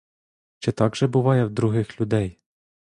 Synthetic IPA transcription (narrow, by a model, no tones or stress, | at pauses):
t͡ʃɛt̪ɑɡʒɛbʊʋɑjɛwd̪ɾʊɦɪxlʲʊd̪ɛj